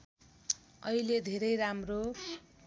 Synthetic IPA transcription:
ʌiled̪ʱeɾʌjɾamro

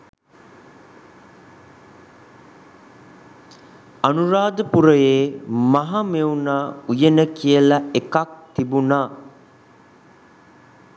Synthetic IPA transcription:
anuɾaːd̪əpuɾəjeːmaɦameunaːujenəkijəlɐekak̚t̪ibunaː

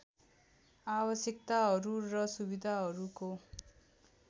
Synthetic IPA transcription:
abʌsjʌkt̪aɦʌɾurʌsubid̪ʱaɦʌɾuko

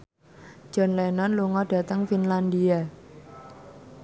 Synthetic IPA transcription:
ʒ̥ɔ̤nlɛnɔnluŋɔɖ̥ä̤t̪əŋfinland̪ia

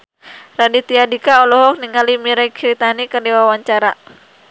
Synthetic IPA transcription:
radit̪iadikaɔlɔɦɔk̚niŋalimiɾakt͡ʃɾit̪anikərdiwawaɲt͡ʃaɾa

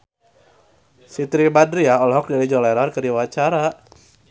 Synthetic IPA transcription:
sit̪ɾibadɾiaɔlɔɦɔk̚dalid͡ʒɔlɛɾarkədiwat͡ʃaɾa

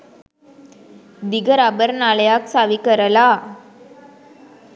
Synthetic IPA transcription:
d̪iɡəɾabəɾnaləjaksaʋikəɾəla

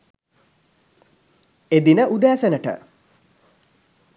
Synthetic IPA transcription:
ed̪inəʔud̪aːsənəʈə̰

